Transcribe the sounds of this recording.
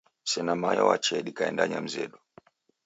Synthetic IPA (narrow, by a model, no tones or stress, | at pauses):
sɛnamajɔwat͡ʃɛɗikaɛndaɲam̩zɛ̰ɗɔ